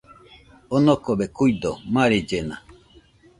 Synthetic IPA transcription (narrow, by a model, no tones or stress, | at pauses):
onokobekuid̪omãɾed͡ʒenã